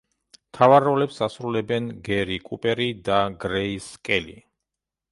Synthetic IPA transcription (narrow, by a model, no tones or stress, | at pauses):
mt̪ʰavaɾɔlɛpsasɾulɛbɛnɡɛɾikʼupʼɛɾid̪aɡɾɛiskʼɛlḭ